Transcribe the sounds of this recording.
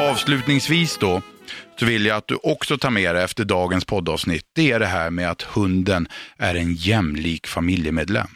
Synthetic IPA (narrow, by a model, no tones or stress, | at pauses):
ɑːvslʉ̟ːt̪nɪŋsviːsd̪ɔsɔvɪlːjaat̪̚d̪ɵʔɔksɔt̪ʰɑːɾmeːɾɛɛft̪əɖɑːɡənspʰɔd̪ːɑ̰ːvsnɪt̪ːd̪̥ɛæɖɛɦæːɾmeːd̪at̪hɵnd̪ənæɾɛnjɛmliːkfamɪljəmeːd̪lɛ̰mː